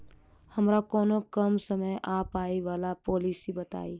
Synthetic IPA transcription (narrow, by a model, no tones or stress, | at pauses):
həmɾakoːnokəmsəməjʔapaːiʋaːlapolisibət̪a̰ːi